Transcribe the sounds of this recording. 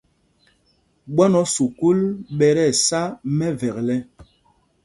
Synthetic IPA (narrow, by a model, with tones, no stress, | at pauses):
ɓɔ˦nɔ˨˦su˨ku˦lɓɛ˨ɾɛ˦˨sa˦mɛ˦vɛ˨klɛ˦